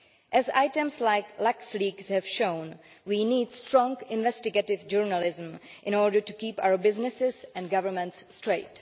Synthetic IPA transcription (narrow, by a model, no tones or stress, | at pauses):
ʔɛza̰ɪtə̃mslaɪklæksliːɡshɛvʃõʊ̃nwiːniːdstɹɔ̃ŋɡɪ̃nʋɛstɪɡetɪvd͡ʒəɹnəlɪzə̃mʔɪ̃nɔɹɖə˞ʈukiːpa̰ʊə˞bɪznɪsɪzɛ̃nɡʌvəmə̃ntsːtɹeɪt